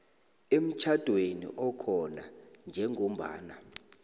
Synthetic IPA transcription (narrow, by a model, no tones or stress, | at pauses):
em̩t͡ʃʰad̥ʱwenḭʔɔkʰɔnand͡ʒʱɛŋʱom̩ɓa̰ːna